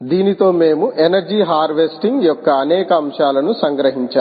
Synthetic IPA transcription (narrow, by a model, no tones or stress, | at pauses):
d̪iːnit̪o̞ːme̞ːmuʔenɐɾd͡ʒiːɦaːɾʋesʈiŋɡjɔkːɐːnɛːkɐːmʂaːlɐnusɐŋɡɾɐɦiɲt͡ʃaː